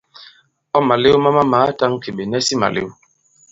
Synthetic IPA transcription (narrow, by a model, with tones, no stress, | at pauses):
ɔ˦ma˨le˦wma˦ma˦ma˨˦ta˦ŋki˨ɓe˨nɛ˦si˦ma̰˨lḛ˦w